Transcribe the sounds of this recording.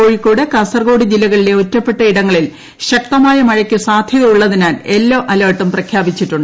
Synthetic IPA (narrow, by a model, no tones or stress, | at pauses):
o̞ːɻikːoːɽekɐsɐrɡo̞ːɽid͡ʑilɐɣɐɭile̞otːɐpːe̞ʈːɐiɽɐŋːɐɭil | ɕɐk̚t̪ɐmaːjɐmɐɻɐkʲːusaːd̪ʱjɐðɐjuɭːɐðinaːle̞lːoːʔɐlɐːʈːɐmprɐkʰjaːbit͡ɕːiʈːuɳɖɨ